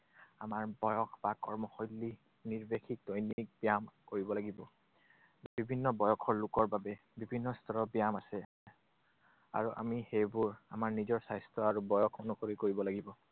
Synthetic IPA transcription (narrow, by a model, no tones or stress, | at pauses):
amaɹbɔjɔkʰbakɔɹmɔxojlːi | niɹbexʰik̚dojnik̚bijamkoɹibɔlaɡibɔ | bibʱinːɔbɔjɔkʰɔɹlʊkɔɹbabɛ | bibʱinːɔstʰɔɹɔbijamasɛ | a̰ɹuʔa̰mihejbuɹa̰maɹnizɔɹsajstʰɔaɹubɔjɔkʰonukoɹikoɹibɔlaɡibɔ